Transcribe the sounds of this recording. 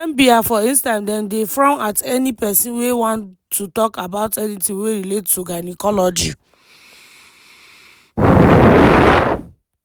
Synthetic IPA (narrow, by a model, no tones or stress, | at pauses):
ɛmbiafɔĩnstãntdɛ̃ndefɹɔ̃matɛnipɛsĩnwewɔ̃ntːutɔkabaʊtɛnitĩweɾilettːuɡanikɔlɔd͡ʒi